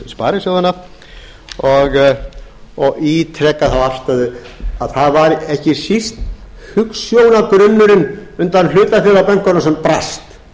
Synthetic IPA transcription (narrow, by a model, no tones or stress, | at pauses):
spa̰ːɾɪsjoːwðanːa | ɔɣ | ɔɣit̪ʰɾɛkːaθawafst̪aðʏaðθaðvaɾɛhcɪsist̪ | hʏksjoːwnakɾʏnːʏɾɪnʏnt̪anlʏːt̪lafɪɾapɛŋ̥kɔnːasɛmpɾast̪